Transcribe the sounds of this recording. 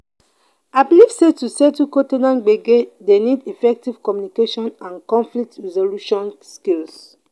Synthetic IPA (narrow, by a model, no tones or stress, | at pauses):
ablivsetusɛtukotenãnɡ͡beɡedenidifɛk̚tiv̥kɔmjunikeʃɔ̃nãnkɔ̃nflik̚tɹɛzoluʃɔ̃nskils